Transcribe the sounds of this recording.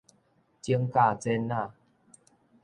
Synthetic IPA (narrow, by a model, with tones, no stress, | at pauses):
t͡ɕi˧əŋka˧˨t͡sɛ˧˦nːa˧˨